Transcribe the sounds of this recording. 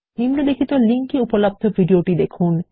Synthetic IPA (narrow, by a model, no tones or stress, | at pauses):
imnod̪ekʰit̪oliŋkiupolab̚d̪ʱovʱiɖioʈid̪ekʰun